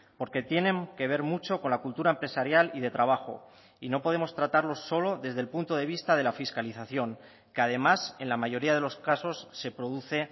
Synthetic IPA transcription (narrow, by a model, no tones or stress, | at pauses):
po̞ɾke̞t̪je̞nẽ̞ŋke̞β̞e̞ɾmut͡ʃo̞ko̞nlakult̪uɾaempɾe̞saɾjalið̞e̞t̪ɾaβ̞axo̞̰ | ino̞po̞ð̞e̞mo̞st̪ɾat̪aɾlo̞sːo̞lo̞ðe̞zðe̞lpunt̪o̞ð̞e̞β̞ist̪að̞e̞lafiskaliθaθjo̞ŋ | keað̞e̞mase̞nlamaʝo̞ɾiað̞e̞lo̞skaso̞sːe̞pɾo̞ðuθe̞